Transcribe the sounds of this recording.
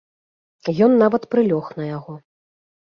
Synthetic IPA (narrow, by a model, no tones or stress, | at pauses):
jɔnːavɐt̪pɾɨlʲɔxnɐjaɣɔ